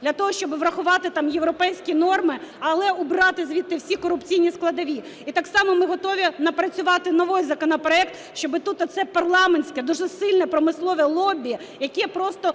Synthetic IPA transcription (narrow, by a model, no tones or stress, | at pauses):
dd̪lʲɐt̪ɔɦɔʃt͡ʃɔbɪʋɾɐxʊʋɑt̪ɪt̪ɑmjewɾɔpɛjsʲkʲinɔrmɪɐlˠɛʊbɾɑt̪ɪzʲʋʲit̪ːɪwsʲikɔɾʊpt͡sʲijnʲisklˠɐd̪ɐʋʲi | it̪ɑksɑmɔmɪɦɔt̪ɔʋʲinɐpɾɐt͡sʲʊʋɑt̪ɪnɔʋɔjzɐkɔnɔpɾɔɛkt̪ | ʃt͡ʃɔbɪt̪ut̪ɔt̪sɛpɐrlˠɑmenʲsʲkɛd̪uʒɛsɪlʲnɛpɾɔmɪslˠɔʋɛlˠɔbʲiɐ | jɐkʲɛpɾɔst̪ɔ